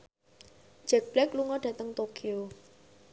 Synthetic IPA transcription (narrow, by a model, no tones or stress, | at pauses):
d͡ʒ̥ɛk̚b̥lɛkluŋɔɖ̥ä̤t̪əŋt̪okʰio